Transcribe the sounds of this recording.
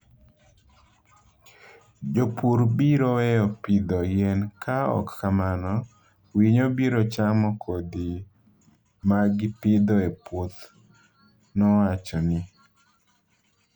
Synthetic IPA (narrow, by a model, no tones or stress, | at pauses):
d͡ʒopuɾbiɾɔwɛɔpɪd̪ɔjɛnkʰaɔ̰kːamanɔ | wiɲobiɾɔt͡ʃamɔkʰod̪i | maɡɪpɪd̪ɔepwot̪ | nɔwat͡ʃɔnɪ